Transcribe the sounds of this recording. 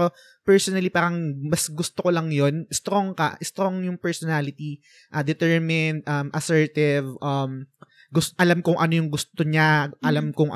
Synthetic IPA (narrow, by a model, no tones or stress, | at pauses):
ɾo | pɛɹsonɐlipaːɾɐŋmɐsɡʊst̪okolɐŋjonɪst̪ɾoŋkɐ̰ʔɪst̪ɾoŋjʊŋpɛɹsɔnalɪt̪i | ʔɐd̪ɛt̪ɛɹmɪnd̪̚ʔɐmʔɐsɛɹt̪ɪvʔɐm | ɡʊsʔɐlamkʊŋʔɐno̞jʊŋɡʊst̪oɲaʔɐlamkʊŋʔ